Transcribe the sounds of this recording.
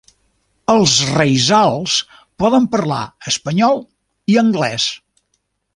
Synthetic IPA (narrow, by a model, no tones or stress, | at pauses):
əlˠzrejzalˠs | pɔðəmpəɾla̰əspəɲɔlˠ | iəŋɡlɛ̰s